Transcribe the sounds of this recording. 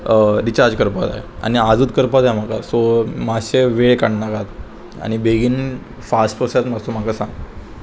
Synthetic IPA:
ɾit͡ɕaɾd͡ʑkəɾpat̪a̰ɦḛa̰ñiad͡zuːt̪kəɾpat̪aɦem̤akasɔmaɕeʋeɭkaɳnakat̪ | a̰ɽ̃ibeɡiːn | fasʈəsat̪masom̤akasãŋ

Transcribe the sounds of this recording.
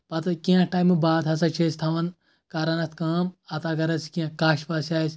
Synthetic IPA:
pɐt̪ɐkiɐ̃ʈaːjmɨbaːd̪ɐsɐt͡ʃʰest̪ʰɐʋɐn | kaːɾɐnɐt̪ʰkaːmɐt̪aɡɐɾɐskiɐ̃kaːʃpɐːsʲaːsʲ

